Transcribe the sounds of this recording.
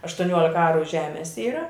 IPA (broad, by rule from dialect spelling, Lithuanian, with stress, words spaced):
ɐʃtʊˈnʲuɔlʲɪkɐ ˈɑːrʊ ˈʒʲæːmʲɛs ˈiːrɐ